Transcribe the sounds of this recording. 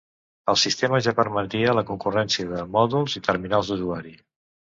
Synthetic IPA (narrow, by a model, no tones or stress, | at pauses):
əlˠsist̪eməʒapəɾmət̪iələkuŋkurɛnsiəðəmɔðulˠzit̪ərminalˠzd̪uzuaɾi